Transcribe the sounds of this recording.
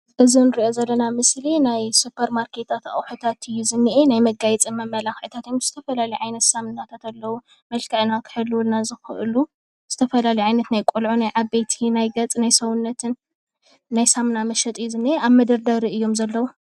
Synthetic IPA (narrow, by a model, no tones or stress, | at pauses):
ʔɨzinɨɾiʔo̞zɐlːɐnamɨslinajsupʰɐɾmaɾkʰe̞t̪ʰat̪a̰wħut̪ʰat̪ʰɨjːuzɨnːiʔenajmɐɡajɛt͡sʼɨmɐmːɐlaxʕɨt̪ʰat̪jmz̥ɨt̪ʰɐfɐlalɐjʕajnɐt̪samnat̪ʰat̪alːɐwu | mɐlkʰɐʕnakʰɨ̥ħɨlːɨwulnazɨxɨ̰ʔɨ̰lu | z̥ɨt̪ʰɐfɐlalɐjʕajnɐt̪najkʼulʕunajʕaβbet̪ʰinajɡɐt͡sʼnajsɐwʊnːɐt̪ʰɨnː | ajsamnamɐʃɐt̪ʼɨjːuzɨnːiʔeaβmɐd̪ɐɾd̪ɐɾiɨjːo̞mzɐlːɐwu